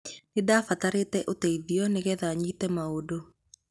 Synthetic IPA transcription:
nedafataɾetɛʔotɛiðiɔneɣɛðaɲitɛmaodo

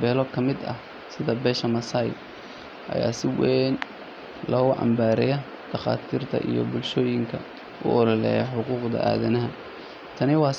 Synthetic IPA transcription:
bɛːlɔkʰɐmɪd̪ɐ̰ | sɪðɐbɛːʃɐmɐsɐj | ʔɐ̰ja̰ːsɪwɛn | lɔːɣʊʕɑ̰mbaːɾɛjɐ | d̪̥ɐχa̰ːt̪ʰiːrt̪ʰɐ̰ʔijɔ̰bʊlʃɔːjɪŋkʰɐ | ʊ̰ɔɾɐlɛ̰jɐħʊquːqd̪ɐ̰ʔa̰ːðɐnɐɦɐ | t̪ʰɐnɪwɑː

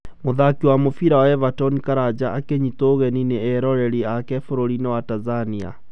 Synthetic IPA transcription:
moðakiwamofiɾawaɛvatɔnikaɾad͡ʑaʔakeɲitoːɣɛnineɛɾɔɾɛɾiakɛfoɾoɾinɛwatazania̰

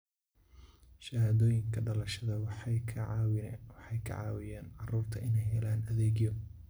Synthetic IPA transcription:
ʃɐhaːðɔːjɪŋkʰɐɖɐlɐʃɐðɐwkʰːwwɑħɑjkʰɐ̰ʕɑ̰ːwɪjaːnʕɑruːrt̪ʰɐʔɪnɛjɦɛlaːnɐðeːɣjɔ

